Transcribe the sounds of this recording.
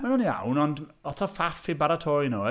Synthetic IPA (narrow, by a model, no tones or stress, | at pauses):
manunia̰wnɔndɔtʰɔfafibaɾatʰɔjno